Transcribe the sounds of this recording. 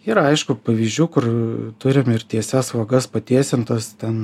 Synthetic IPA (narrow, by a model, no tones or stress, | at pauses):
iːɾɐɐɪʃkʊpɐʋʲiːzʲd͡ʒʲuːkʊrt̪ʊɾʲɪmɪrt̪ʲiɛsʲɛsʋɐɡɐspɐt̪ʲiɛsʲɪnt̪ɐst̪ʲɛn